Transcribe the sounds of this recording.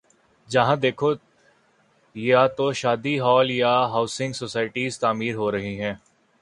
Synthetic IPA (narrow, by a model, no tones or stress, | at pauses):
d͡ʒɐɦãd̪eːkʰo | jat̪oʃaːd̪iɦɔːljaɦaːʊsɪ̃ŋɡsoːsaːɪʈiːzt̪aːmiːɾɦoːɾɐɦiɦɛ̃ː